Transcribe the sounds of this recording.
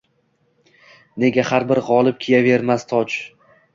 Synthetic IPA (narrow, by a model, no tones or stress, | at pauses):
ne̞ɡʲahaɾbɪɾʁɒlˠɪp̚kʲʰijave̞ɾmast̪ʰɒt͡ʃ